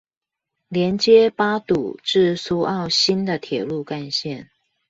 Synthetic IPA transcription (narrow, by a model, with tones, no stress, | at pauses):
ljɛ˧˥nt͡ɕjɛ˦˥pa˥t̪u˨˩ʈ͡ʂɻ̩˥˩su˥ʔɑ˥˩ʊɕi˥nd̪ə˨t̪ʰjɛ˨˩lu˥˧ka˥˧nɕjɛ˥˩n